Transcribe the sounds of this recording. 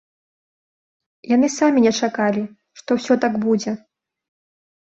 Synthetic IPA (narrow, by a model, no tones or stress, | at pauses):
janɨsamʲinʲɛt͡ʂakalʲi | ʂt̪ɔwsʲɔt̪aɡbud͡zʲɛ